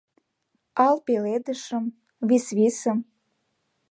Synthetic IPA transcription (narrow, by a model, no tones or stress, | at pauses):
ɑlpeled̪əʃəm | βisβisə̆m